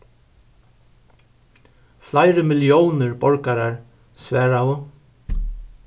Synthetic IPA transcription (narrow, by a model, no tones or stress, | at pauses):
flajɾəmɪljownɪɹbɔɹkaɾaɹ | svɛːɹawʊ